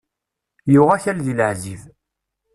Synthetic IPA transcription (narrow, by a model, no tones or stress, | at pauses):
jʊʁæçælðilʕziv